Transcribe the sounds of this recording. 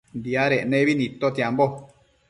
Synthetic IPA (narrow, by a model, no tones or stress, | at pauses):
nd̪iaɾenẽβinĩt̪ot̪jambo